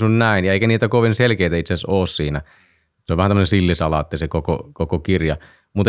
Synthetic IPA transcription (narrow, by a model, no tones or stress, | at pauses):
sunnæˑinjɑeˑikæniːt̪ækoʋinselkeˑit̪æit̪sesoːssiːnæ | seoʋæhænæmːnensilːisɑlɑ̰t̪ːesekoko̰kokokirjɑ | mut̪